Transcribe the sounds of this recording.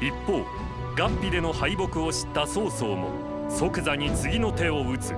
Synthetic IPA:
ipːo̞ː | ɡãmpʲid̪e̞no̞haibo̞kɯ̟o̞ɕi̥t̪ːaso̞ːso̞ːmo̞̰ | so̞kɯ̟zaɲ̟it͡sɨɡʲino̞t̪e̞o̞ɯ̟t͡sɨ̰

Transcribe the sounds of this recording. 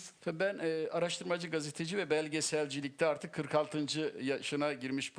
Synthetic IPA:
vɛbænɛaɾaʃt̪ʰɯɾmad͡ʒɯɡazet̪ʰed͡ʒivɛbælʲɟesælʲd͡ʒilʲic̚t̪ʰɛaɾt̪ʰɯkʰːɯɾkʰalˠt̪ʰɯnd͡ʒɯjaʃɯnaɟiɾmiʃb

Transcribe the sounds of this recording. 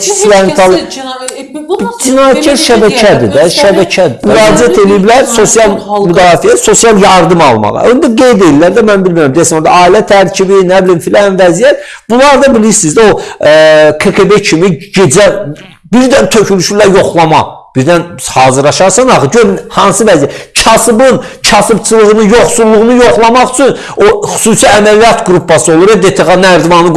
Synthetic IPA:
islæɾint̪ʰɑlˠ | bd͡ʒinɑːjæt̪̚cʰæɾʃæbæcʰæd̪id̪æʃæbæcʰæd̪imyɾɑːd͡ʒiæt̪ʰe̞lijiblæɾso̞sijɑlˠmyd̪ɑːfijæso̞sjɑlˠjɑɾd̪ɯmɑlˠmɑ̰ʁɯ̰ønd̪æɡe̞jd̪ejilːæɾd̪æmænbilʲmiɾæmd̪ijæsinoɾd̪ɑɑːilæt̪ʰæɾcʰibinæbilinfilænvæzijæt̪b̥ulˠɑɾd̪ɑbiliɾsizd̪æo̞ | kʰekʰebecʰimiɟed͡ʒæ | biɾd̪ænt̪ʰø̞cʰylyʃylæjo̞χlˠɑmɑb̥iɾd̪ænhɑːzɯɾlɑʃɑɾsɑnɑχɯɟøɾnhɑnsɯvæzjæt̪t͡ʃʰɑsɯbɯn | t͡ʃʰɑsɯbt͡ʃʰɯlˠɯɣɯnɯjoχsulˠːuʁnujo̞χlˠɑmɑχy̥t͡ʃʰyn | oχu̥suːsiæmælijɑt̪ɡɾupʰːɑsɯolˠuɾed̪et̪ʰeɣɑnæɾd̪vɑnɯ

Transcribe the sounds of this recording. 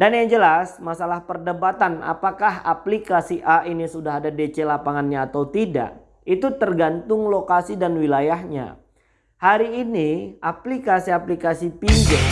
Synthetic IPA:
danjaŋd͡ʒəlasmasalahpərdəbat̪ana̰pakaha̰plikasiʔainisudaɦadadet͡ʃelapaŋanɲaːt̪awt̪ida̰ʔ | it̪ut̪ərɡant̪ʊŋlokasidanwilajaɦɲa̰ | haɾiːniaplikasiaplikasipid͡ʒa

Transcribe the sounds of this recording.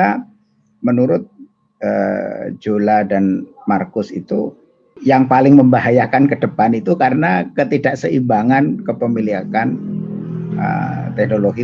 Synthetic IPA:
a | mənuɾʊt̪̚ | ə̰d͡ʒoladanmarkʊsḭt̪u | jaŋpalɪŋməmbaɦajakankədəpanit̪ukaɾənakət̪idaʔsəibaŋankəpəmiliakan | ə̰t̪ɛk̚noloɡi

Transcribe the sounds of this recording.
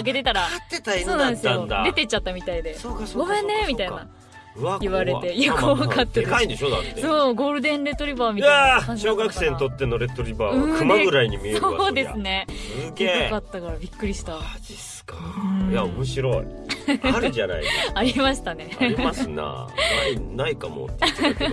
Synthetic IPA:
aɡe̞t̪e̞t̪aɾaat̪ːet̪aiso̞ːnãnd̪sɨaj̃od̪a̰d̪e̞t̪e̞t͡ɕat̪ːamʲit̪aid̪esokasoɡoːhẽnːe̞mʲit̪aina | ɯaiβaɾe̞t̪e̞jɯkoakʰat̪ːaekaind̪eɕod̪a̰t̪ːeso̞ːɡo̞ːɾɯ̟d̪ẽ̞nɾe̞t̪ːo̞ɾʲibaːmʲij̪aaɕo̞ːɡakɯ̟ssẽ̞ːnt̪o̞t̪ːe̞noɾe̞t̪ːoɾʲibaːɯ̃ɯmaɡɯ̟ɾaiɲimiesoːd̪e̞sɨne̞sɨɡeekːakat̪ːakaɾabʲikːɯ̟ɾʲiɕi̥t̪aisɨ̥kãjaomɯ̟ɕ̬iɾoi | aɾɯd͡ʑana̰ḭaɾimaɕi̥t̪ane̞ɾimasɨna̰ainaikamo̰t̪ː

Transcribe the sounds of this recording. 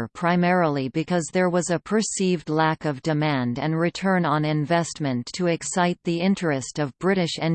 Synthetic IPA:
pʰɹ̥aɪmɛɹl̩ˠibɨkʰʌzðə˞wʌzɨpʰə˞sivdˡlækʌvdɨmæ̃ndɨ̃nɹɨtʰɜ̃˞nə̃nɪ̃ɱvɛstmɨ̃ntʰəɨksaɪt̪̚ðiɪ̃nt͡ʃɹ̥ɨstʌvbɹɪɾɨʃɨ̃n

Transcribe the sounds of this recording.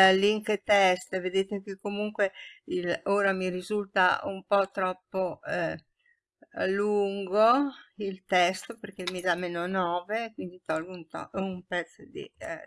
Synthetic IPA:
liŋket̪ɛst̪ved̪eːt̪ek̟ekːomuŋkweiloːɾamiɾizult̪a̰umpɔt̪ɾɔpːo | luŋɡoilt̪ɛst̪operkemid̪ameːnonɔːveːkwind̪it̪ɔlɡount̪ɔ̰umpɛt̪sːod̪ḭ

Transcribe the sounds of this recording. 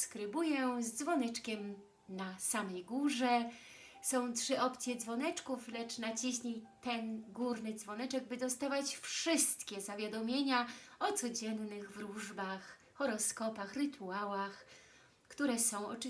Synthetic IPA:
skɾɘbujɛzd̪zvɔnɛt͡ʂkʲɛm | nasamɛjɡuʐɛ | sɔ̃w̃tʂɘʔɔpt̪sʲjɛd̪zvɔnɛt͡ʂkuflɛt͡ʂnat͡ɕiɕɲit̪ɛnɡuɾnɘd̪zvɔnɛt͡ʂɛɡ̚bɘd̪ɔst̪avat͡ɕfʂɘst̪kʲɛzavʲjad̪ɔmʲjeɲaɔt̪sɔd͡ʑɛnːɘɣvɾuʐbax | xɔɾɔskɔpaxɾɘt̪ʰuawax | kt̪uɾɛsɔ̃w̃ɔ̰t͡ʂ

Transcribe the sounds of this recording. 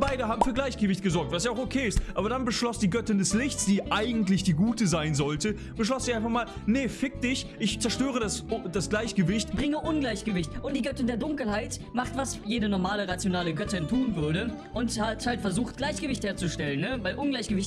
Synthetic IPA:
baɪdəɦaːbm̩fyːɐɡlaɪçɡ̥əvɪçt̚ɡ̥əzɔɐk̚tv̥as̬jaʊxokʰeːɪstʔaːbɐɾanbəʃlɔsd̥iːɡœtɪndɛslɪçsd̥iːʔaɪɡŋ̩tlɪçd̥iːɡuːtəzaɪnzɔltə | b̥əʃlɔsz̥iʔaɪnfaχmaːl | nəfɪk̚d̥ɪçʔɪçt͡sɛɐʃtøːʁ̞ədasd̥asɡ̥laɪçɡ̥əvɪçtb̥ʁɪŋəʔʊnɡlaɪçɡ̥əvɪçtʔʊnt̚d̥iːɡœtɪndeːɐdʊŋkl̩haɪtmaχtv̥asjeːdənɔɐmaːləʁat͡sjonaːləɡœtɪntʰuːnvʏɐdə | ʔʊnthathaltfɛɐzuːxt̚ɡ̥laɪçɡ̥əvɪçtheːɐt͡suʃtɛlənːəvaɪlʔʊnɡlaɪçɡ̥əvɪçt

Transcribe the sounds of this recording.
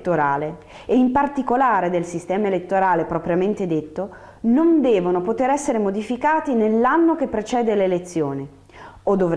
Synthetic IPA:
t̪ːoɾaːleː | impart̪ikolaːɾed̪elsist̪ɛːmaelet̪ːoɾaːlepɾɔpɾjament̪ed̪et̪ːo | nond̪ɛːvonopot̪eɾɛsːeɾemod̪ifikaːt̪inelːanːok̟epːɾet͡ʃɛːd̪elelet̪sːjoːne | od̪ːov

